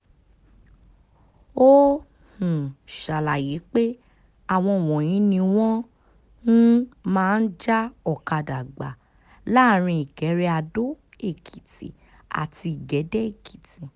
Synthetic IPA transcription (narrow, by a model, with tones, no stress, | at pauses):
o˦ | hũ˨ʃa˨la˨ji˨˦k͡pe˦ | a˦˨w̃ɔ̃˧˨wɔ̃˨j̃ĩ˨˦nĩ˧w̃ɔ̃˦ | n̩˦mãː˦˧n̩˦d͡ʒa˦ɔ˦˨ka˨da˨ɡ͡ba̰˨ | la˦˨ɾ̃ĩ˧i˨ɡɛ˨˦ɾɛ˦a˧do˦ | e˦˨kʰi˨ti˨ | a̰˨ti˧i˨ɡɛ˨˦dɛ˦e˦˨kʰi̥˨tĩ˨˦